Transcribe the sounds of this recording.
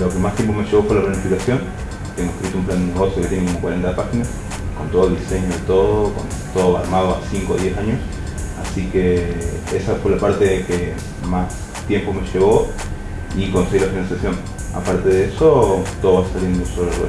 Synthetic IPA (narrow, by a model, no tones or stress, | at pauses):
lo̞ke̞mast̪je̞mp̬omeʃe̞βo̞fwe̞laplanifikaθjo̞ŋ | t̪eŋɡoehkɾit̪oumpland̪eneɣo̞sjoke̞t̪jenekomokwaɾe̞nt̪apaxina | ko̞nt̪oðlðise̞ɲoðet̪o̞ðoko̞̰nt̪oðoa̰ɾmaðoa̰siŋko̰ðje̞saɲos | a̰sike̞esafwe̞lapaɾt̪e̞ke | mas | t̪je̞mpo̞me̞ʃe̞β̞o̞ | iko̞nseɣiɾlafinãnsjaθjo̞ŋ | a̰paɾt̪e̞ðee̞soat̪oðoβasalend̪osolerwḛ